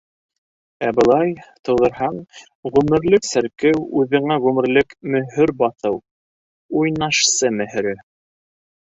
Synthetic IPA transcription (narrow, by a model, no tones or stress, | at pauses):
æbɤ̆lˠɑjt̪ɤ̆wðɤ̆ɾɦɑɴ | ʁʉmɘ̆ɾlɘksæɾkɘwʉðɘ̆ŋæʁʉmɘ̆ɾlɘkmɵ̆ɦɵɾbɑθɤw | ujnɑʃsɤmɘ̆hɘ̆ɾɘ